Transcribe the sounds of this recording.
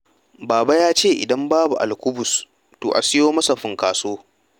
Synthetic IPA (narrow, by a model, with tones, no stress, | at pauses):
baː˨ba˦jaː˦t͡ʃeː˦˨ʔɪ̰˨dɐ˦mbaː˦bṵ˨ʔa̰˨lkʷʊ˦bʊ˨s | to̰ː˨ʔa̰˨sɪ˦joː˦mɐ˦sa˨ɸʊ˨ŋkaː˨soː˦